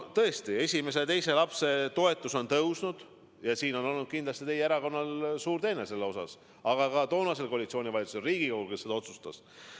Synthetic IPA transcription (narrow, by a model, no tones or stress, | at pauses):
t̪ɤe̞st̪ie̞sʲime̞s̬e̞t̪e̞jse̞lɑpse̞t̪o̞e̞t̪ːˑuso̞nt̪ɤwsnud̪̥ | jɑsiːno̞no̞lnud̪̚kind̪lɑst̪it̪e̞jeeɾɑko̞nːɑlsuːɾt̪e̞ːnese̞lːeo̞sɑ̰s | ɑɡ̥ɑkɑt̪o̞ːnɑse̞lko̞ɑlit̪sio̞ːnʲivɑlit̪suselriːɡ̥ikohulke̞sːe̞d̪ɑo̞t̪su̥st̪ɑ̰s